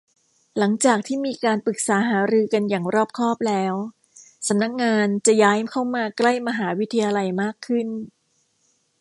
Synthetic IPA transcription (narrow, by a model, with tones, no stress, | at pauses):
la˩˦ŋt͡ɕaː˨˩k̚t̪ʰiː˥˩miː˧kaː˧npɯ˨˩k̚saː˩˦ɦaː˩˦ɾɯː˧ka˧njaː˨˩ŋɾɔː˥˩p̚kʰɔː˥˩p̚lɛː˦˥w | sa˩˦mna˦˥k̚ŋaː˧nt͡ɕa˨˩jaː˦˥jmkʰa˥˩wmaː˧kla˥˩jma˧ɦaː˩˦wi˦˥t̪ʰːa˧jaː˧la˧jmaː˥˩kʰːɯ˥˩n